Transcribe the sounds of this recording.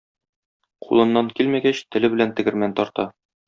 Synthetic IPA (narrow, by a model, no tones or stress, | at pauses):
qʰṵlˠɤ̆nːɑŋkilmæɡæɕt̪ɘ̆lɘbɘ̆lænt̪ɘ̆ɡɘ̆ɾmænt̪ɒɾt̪ɑ